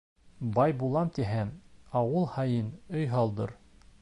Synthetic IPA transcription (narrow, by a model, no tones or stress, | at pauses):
bɑjbulˠɑmt̪iɦæmɑwɤlˠhɑjɤnɵjɦɑlˠd̪ɤɾ